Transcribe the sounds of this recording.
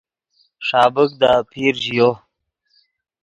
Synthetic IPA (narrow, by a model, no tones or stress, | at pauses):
ʂɑːbəkd̪apʰiɾʑijo